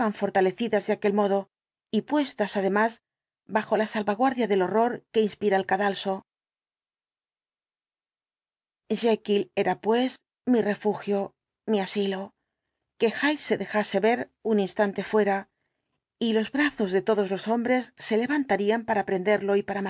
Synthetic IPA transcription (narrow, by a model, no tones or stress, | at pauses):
aɱfo̞ɾt̪ale̞θiðazðeakelmo̞ðo̞ | ipwe̞st̪asaðe̞maz | baxo̞lasalβaɣwaɾðjaðe̞lo̞ro̞ɾke̞inspiɾaelkaðalso̞ | ʒekile̞ɾapwe̞s | mire̞fuxjo̞ | miasilo̞ | ke̞xajsːe̞ðe̞xase̞βe̞ɾuninst̪ant̪e̞fwe̞ɾa | ilo̞zβɾaθo̞zðe̞t̪o̞ðo̞zlo̞so̞mbɾe̞sːe̞le̞βant̪aɾiampaɾaːpɾe̞nd̪e̞ɾlo̞ipaɾama